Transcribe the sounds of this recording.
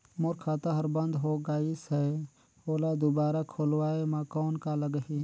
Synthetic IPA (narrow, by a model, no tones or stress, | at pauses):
moɾkʰaːt̪aɦəɾbə̃nd̪ɦoɡaːisɛ | oːlad̪ubaːɾakʰoːlwaːemãkɔːnkaləɡɦi